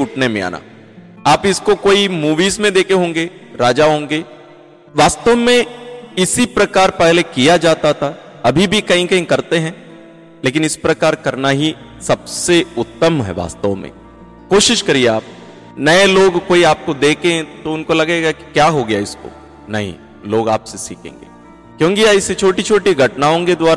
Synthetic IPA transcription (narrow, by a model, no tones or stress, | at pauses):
uʈʰnemẽa̰ːna̰ | aːpɪskokoːimuːʋiːzmẽd̪eːkeɦõːŋɡeː | ɾaːd͡ʒaɦõːŋɡeː | ʋaːst̪əʋmẽɪsipɾɐkaːɾpɛɦlekijad͡ʒaːt̪at̪ʰa | ɐbʱibʱikɐɦĩkɐɦĩkɐɾt̪eɦɛ̃ | leːk̬ɪnɪspɾɐkaːɾkɐɾnaɦi | sɐbseʊt̪ːəmɦɛ̰ʋa̰ːst̪əʋmḛ̃ | koːʃɪʃkɐɾieaːp̚ | nɐeloːɡkoːiaːp̚kod̪eːkẽt̪oʊnkolɐɡeɡaki̥kjaːɦoɡɐjaɪsko̰ | nɐɦḭ̃ | loːɡaːpsesḭːkḛ̃ːŋɡḛː | kjõːŋkiaɪset͡ʃʰoːʈit͡ʃʰoːʈiɡʱɐʈnaːõked̪waːɾ